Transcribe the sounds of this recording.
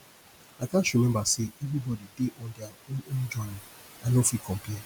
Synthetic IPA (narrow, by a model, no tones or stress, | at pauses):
akãnʃɹimɛ̃mbaseɛvɾibɔdideʔɔ̃ndeaond͡ʒɔni | ãnofikʰɔ̃mpia